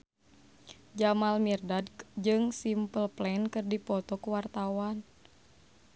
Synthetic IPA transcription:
d͡ʒamalmirdadd͡ʒɨŋsimpəlplɛnkɨrdipɔt̪ɔkuwart̪awan

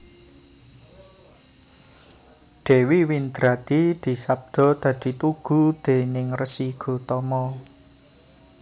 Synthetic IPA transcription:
ɖ̪̥e̤wiwind̪ɾad̪̥id̪̥i̤sap̚d̪̥ɔ̤d̪̥ä̤d̪̥i̤t̪uɡ̥ṳd̪̥enɪŋrəsiɡ̥o̤t̪ɔmɔ

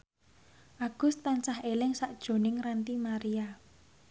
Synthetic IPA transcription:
ʔaɡ̥ʊ̤st̪ːansaɦelɪŋsaʔd̥ʒ̥o̤nɪŋrant̪imaɾia

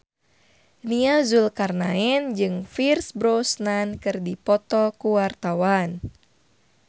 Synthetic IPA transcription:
niazulkarnaɛnd͡ʒɨŋfirsbɾosnankɨrdipɔt̪ɔkuwart̪awan

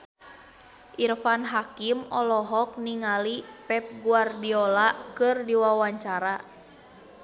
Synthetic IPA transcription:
ʔirfanɦakimɔlɔɦɔk̚niŋalipɛp̚ɡuardiɔlakɨrdiwawaɲt͡ʃaɾa

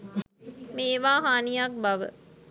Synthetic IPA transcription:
meːʋaːɦaːnijak̚bɐʋə̰

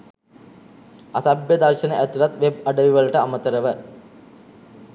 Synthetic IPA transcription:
asabjəd̪arʃənəʔæt̪ulat̪ʋeb̚ɐɖəʋiʋəlɐʈəamət̪əɾəʋə

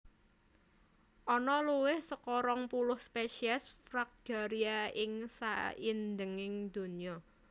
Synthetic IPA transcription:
ʔɔnɔluwɪhsəkɔɾɔŋpulʊhspeʃiɛsfɾak̚ɡ̥a̤ɾiaɪŋsa̰ind̪əŋɪŋd̪̥ṳniɔ

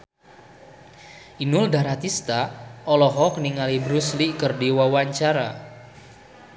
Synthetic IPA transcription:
ʔinʊldaɾat̪ist̪aɔlɔɦɔk̚niŋalibɾuslikərdiwawaɲt͡ʃaɾa

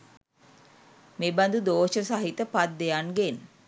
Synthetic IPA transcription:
meband̪ud̪oːʃəsaɦit̪əpat̪̚d̪ejanɡen

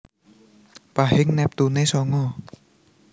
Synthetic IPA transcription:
paɦeŋnɛp̚t̪unesɔŋɔ

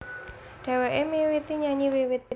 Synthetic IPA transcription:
ɖ̥a̤wɛʔemewit̪iɲaɲiwewet̪

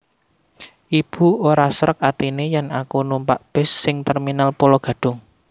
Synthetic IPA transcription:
ʔib̥ṳoɾasɾək̚at̪inejanakunumpaʔb̥ɪsːɪŋt̪ɛrminalpolɔɡ̥ä̤d̥ʊ̤ŋ

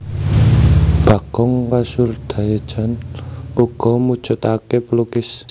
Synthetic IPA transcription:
b̥a̤ɡ̥ɔŋkasʊrd̪̥a̤jḁʒ̥anuɡ̥ɔ̤mud̥ʒ̥ʊ̤t̪akepəlukɪs

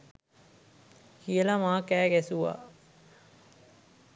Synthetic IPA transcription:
kijəlamaːkæːɡæsuʋa̰ː

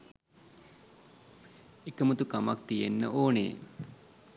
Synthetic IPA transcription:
ekəmut̪ukamak̚t̪ijḛnːə̰ʔoːnḛː

